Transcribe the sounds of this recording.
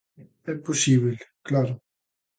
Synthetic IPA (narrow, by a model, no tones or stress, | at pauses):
ɛpːosiβilklaɾo